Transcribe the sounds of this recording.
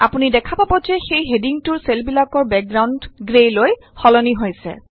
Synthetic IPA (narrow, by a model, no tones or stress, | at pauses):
apunidɛkʰapabɔzɛxejɦediŋtuɹselbilakɔɹbɛk̚ɡɹawndɡɹejloj | xɔlɔniɦojsɛ̰